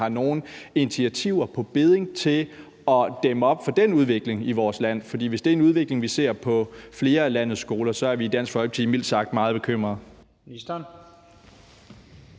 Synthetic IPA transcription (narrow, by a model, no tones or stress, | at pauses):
ɑ̈no̝ːn̩enit͡sʰiæt͡sʰiʊ̰ɐpʰɒ̽b̥e̝ð̞ˠe̝ŋt͡sʰe̝l | ɒ̽d̥eməɒ̽b̥fɒ̽d̥enuð̞ˠʋe̝ɡ̥le̝ŋiʋɒːslæn̰fɒd̥ḭːʋe̝sd̥e̝æɐnuð̞ˠʋe̝ɡ̥le̝ŋʋise̝̰ɐ̰pʰɒ̽fle̝ːɐælænð̩ˠsːɡ̥o̝ːlɐsɒ̽æɐʋiid̥æn̰sɡ̥fɒ̽l̥̚t͡sʰimil̰d̥sɑ̈ɡ̥̚d̥mɑ̈ːð̞̩ˠb̥e̝kʰøm̰ʁɐð̩ˠ | nisd̥æn